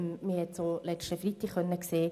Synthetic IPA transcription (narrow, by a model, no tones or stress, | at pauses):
mihɛtsolɛt͡ʃtəfɾitiχœnːəkseː